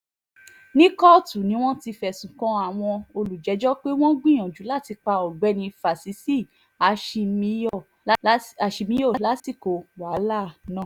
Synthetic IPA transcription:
nĩ˦kɔ˦˨tu˨nĩ˨˦w̃ɔ̃˦ti˧fɛ˨sũ˨kɔ̃˧˦a˨w̃ɔ̃˧o˧lu˨d͡ʒɛ˨˦d͡ʒɔ˦k͡pe˦w̃ɔ̃˦ɡ͡bĩ˦ɔ̃˨d͡ʒu˨˦la˦˨ti˧k͡pa˧ɔ˨ɡ͡bɛ˨˦nĩ˧fa˨si˨˦si˦˨ | a˨˧ʃi˧mĩ˧˦jɔ˦˨˦ | a˨ʃi˧mĩ˦jɔ˦˨˦la˦si˦˨ko˨wa˨˦la˦˨nã˦˨

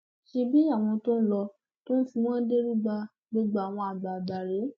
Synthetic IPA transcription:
ʃe˧bi˦a˦˨w̃ɔ̃˧to˦n̩˦lɔ˧ | to˦n̩˦fi˧w̃ɔ̃˦de˦ɾi˦ɡ͡ba˧ | ɡ͡bo˦ɡ͡ba˦a˨w̃ɔ̃˧a˨ɡ͡ba˨ba˨ɾe˨˦

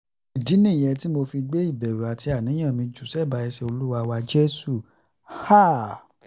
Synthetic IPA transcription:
i˨di˨˦nĩ˦˨jɛ˧ti˦mo˧fi˧ɡ͡be˦i˦˨bɛ˨ɾe˨a˨ti˧a˨nĩ˨˦ã˦˨mĩ˧d͡ʒu˨sɛ˦˨ba˧ɛ˧ʃe˧o˧lu˦wa˧wa˧d͡ʒe˦su˦˨ | ha˦˨

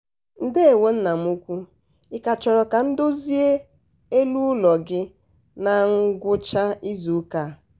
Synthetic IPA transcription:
n̩˦de˦e˨we˦n̩˦na˨m̩˦u˦kʷu˦ | ɪ˦ka˨t͡ʃɔ˨ɾɔ˨ka˨n̩˦do˦zi˦e˦ | e˦lu˦lɔ˨ɡɪ˦ | na˨ŋ̩˦ɡʷʊ˦t͡ʃa˦i˦zu˨˦ka˦

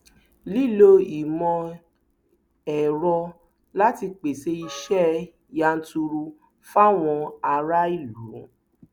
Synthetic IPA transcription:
li˦˨lo˧i˨mɔ̃˧ | ɛ˨ɾɔ˧ | la˦ti˧k͡pe˨se˧i˧ʃɛ˦ | ja˧n̩˦tu˧ɾu˧ | fa˦w̃ɔ̃˧a˧ɾa˦i˦˨lu˨˦

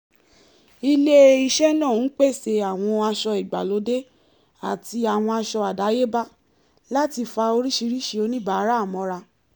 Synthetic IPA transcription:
i˧le˦i˧ʃɛ˦nã˦˨˦k͡pe˦˨se˧a˨w̃ɔ̃˧a˧ʃɔ˧i˨ɡ͡ba̰˨lo˨˦de˦ | a˦˨ti˧a˨w̃ɔ̃˧a˧ʃɔ˧a˨da˨˦je˦ba˦ | la˦ti˧fa˧o˧ɾi˦ʃi˧ɾi˦ʃi˧o˧nĩ˦ba˨˦ɾa˦˨mɔ̃˨˧˦ɾa˧

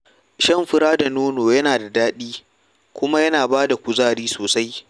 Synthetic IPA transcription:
ʃɐ˦˨mɸɪ˦ɾaː˦da˨noː˦noː˨jɐ˦naː˨da˨daː˦ɗiː˦ | kʷʊ˦ma˦jɐ˦naː˨baː˦da˨kʷʊ˨zaː˦˨ɾiː˦soː˨sa˦j

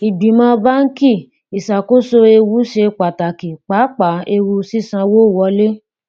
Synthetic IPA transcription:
i˨bi˨˦mã˦˧ba˦ŋ̩˦ki˦˨ | i˨sa˨ko˦so˧e˧wu˨˦ʃe˧k͡pa˨ta˨ki˨k͡pa˨˦k͡pa˨˦e˧wu˧si˦sã˧wo˦˨wɔ˧˦le˦

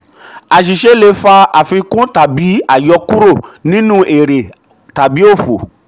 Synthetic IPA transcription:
a˨ʃ̬i˨ʃe˦le˧˦fa˧a˨fĩ˧kũ˦ta˨bi˨˦a˦˨jɔ˧ku˦ɾo˦˨nĩ˦nũ˦ʔe˨ɾe˨ | ta˨bi˨˦o˦˨fo˨

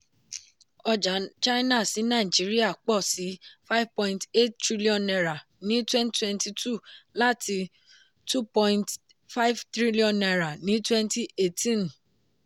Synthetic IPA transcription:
ɔ˧d͡ʒa˨˦t͡ʃa˦na˦˨si˨˦nã˦˨i˨d͡ʒi˨˦ɾi˦a˦˨k͡pɔ˦˨si˨˦fa˦vpɔ̃˧ĩnte˦ttɾi˦li˦ɔ̃˨nɛ˧ɾa˨ | nĩ˨˦twɛ̃˦nttwɛ̃˦nti˧tu˦˨la˦tʰi˧ | tu˦pɔ̃˧ĩnt | fa˦i˦vtɾi˦li˦ɔ̃˨nɛ˧ɾa˨nĩ˨˦twɛ̃˦nti˦e˦tʰĩ˦˨n

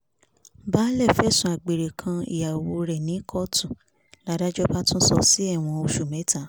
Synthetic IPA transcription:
ba˦lɛ˦˨fɛ˦˨sũ˨a˨ɡ͡be˨ɾe˨kʰã˧ḭ˨ja˨wo˧ɾɛ˨nĩ˨˦kʰɔ˦tũ˨ | la˨˦da˦d͡ʒɔ˦ba˦tũ˦sɔ˧si˦ɛ˦˨w̃ɔ̃˧o˧ʃu˨mɛ̃˨˦ta˦˨

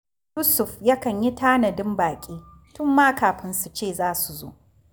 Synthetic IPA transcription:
jʊ˦sʊ˨fja˦kɐ˨ɲji˦taː˦nɐ˨dɪ˦mbaː˨kʲʼiː˦ | tʊ˦mːaː˦kaː˨ɸɪ˦nsu˨t͡ʃeː˦˨zaː˦su˨zo̰ː˦ʔ

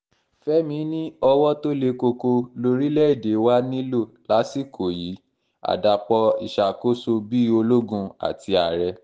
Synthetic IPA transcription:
fɛ˦mĩ˧˦nĩ˦ɔ˧wɔ˦to˦le˧ko˧ko˧lo˧ɾi˦lɛ˦i˦˨de˨˦wa˦nĩ˦lo˦˨la˨˦si˦˨kʰo˨ji˨˦ | a̰˨da˨k͡pɔ˧i˨ʃa˨ko˦so˧bi˦o˧lo˦ɡũ˧a̰˨ti˧a˨ɾɛ˧

